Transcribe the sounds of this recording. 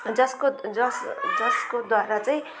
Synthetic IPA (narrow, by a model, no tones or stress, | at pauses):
d͡zʌskod͡zʌsd͡zʌskod̪waɾat͡saĩ